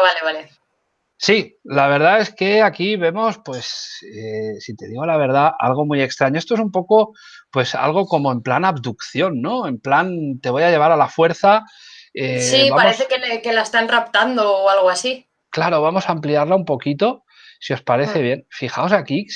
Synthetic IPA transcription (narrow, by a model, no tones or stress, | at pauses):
βaleβale | silaβ̞e̞ɾð̞ae̞ske̞akiβe̞mo̞spwe̞sesit̪e̞̰ðiɣ̞o̞laβ̞e̞ɾð̞aa̰lɣ̞o̞muje̞kst̪ɾaɲoest̪oesumpo̞ko̞ | pwe̞sa̰lɣ̞o̞ko̞mo̞e̞mplanaβd̪ukθjo̞nːo̞e̞mplant̪e̞βo̞jaʝe̞β̞aɾalafwe̞ɾθa | esiβaaɾmeθekelekelaest̪anrap̚t̪and̪oːalɣoasi | klaɾo̞βamo̞saːmpliaɾlaumpo̞kit̪o̞ | sio̞spaɾe̞θe̞β̞je̞nfixao̞saki